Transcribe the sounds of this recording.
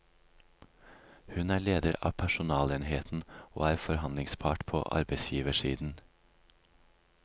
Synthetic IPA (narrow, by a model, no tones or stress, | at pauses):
hʉnæːɭeːd̪əɾɑ̰ːpʰæʃʊnɑːleːnheːt̪n̩o̰ːæːɾfɔɾhɑnlɪŋspʰɑːʈpʰo̰ːʔɑ̰ɾbəɪsjiːʋəʃiːd̪n̩